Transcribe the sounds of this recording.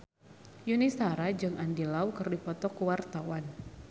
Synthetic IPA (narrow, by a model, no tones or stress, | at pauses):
junisaɾad͡ʒɨŋandilawkərdipɔt̪ɔkuwart̪awan